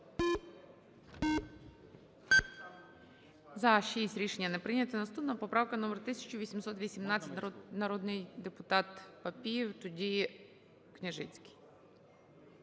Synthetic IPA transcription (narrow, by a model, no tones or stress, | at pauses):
zɐʃisʲtʲɾʲiʃenʲːɐnɛpɾɪnʲɐt̪ɪnɐst̪upnɐpɔpɾɑwkɐnɔmɛɾt̪ɪsʲɐ̥t͡ʃʊʋʲisʲimsɔt̪ʋʲisʲimnɑt͡sʲːɐtʲnɐɾɔd̪nɪjd̪epʊt̪ɑt̪pɐpʲijiwt̪ʊdʲi | knʲɪʒɪt͡sʲkɪ̥j